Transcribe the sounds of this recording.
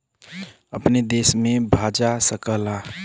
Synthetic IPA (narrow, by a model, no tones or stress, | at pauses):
əpned̪eːsmẽbʱaːd͡ʒasəkəla